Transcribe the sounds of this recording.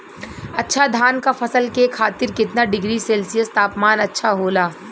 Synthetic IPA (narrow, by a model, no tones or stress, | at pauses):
ɐtːʃʰad̪ʱaːnkafɐsəlkekʰaːt̪ɪɾkɪt̪naɖɪɡɾiseːlsijəst̪aːpmaːnɐtːʃʰaɦoːlaː